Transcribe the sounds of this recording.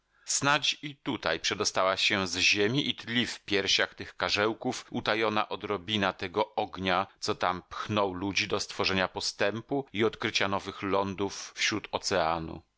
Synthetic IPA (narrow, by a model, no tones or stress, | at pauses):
snat͡ɕit̪ut̪a̰jpʂɛd̪ɔst̪awaɕɛzʑemʲiʔit̪lʲifpʲjɛɾɕaxt̪ɘxkaʐɛwkufut̪ajɔna̰ʔɔd̪ɾɔbʲinat̪ɛɡɔɔɡɲat̪sɔt̪ampxnɔwlud͡ʑid̪ɔst̪fɔʐɛɲapɔst̪ɛmpuiɔt̪kɾɘt͡ɕanɔvɘxlɔnd̪ufːɕɾut̪ɔt̪sɛanṵ